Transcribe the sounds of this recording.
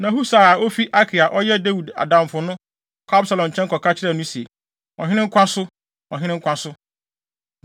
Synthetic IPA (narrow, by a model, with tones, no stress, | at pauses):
nã˨ɦu˦sa˨a˨ʔo˦fi˦ʔa˦kʰi˨a˨ʔɔ˦jɛ˦da˦wu˨da̰˨dã˨mfʊ˨nʊ̃˦˨ | kʰa˦bsa˨lɔ̃˨ɲ̩˨t͡ɕʰɛ̃˦ŋkʰɔ˨kʰa˦t͡ɕʰɪ˦ɾɛ˦˨nʊ̃˦si˨e˨ | ɔ̃˨ɦɪ̃˦nɪ̃˦ŋ̩˦kʷʰã˦sʊ˦ | ɔ̃˨ɦɪ̃˦ɪ̃˦ŋ̩˦kʷã˦sʊ˦